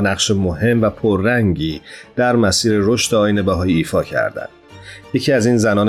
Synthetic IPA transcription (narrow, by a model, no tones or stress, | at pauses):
næqʃemohe̞mvæpʰoɾːæŋɟiːd̪̥æɾmæsiːɾe̞ɾo̞ʃt̪eɒːjine̞bæɦɒːjeiːfɒːcʰæ̰ɾd̪æ̰nd̪je̞cʰiːæzinzænɒːn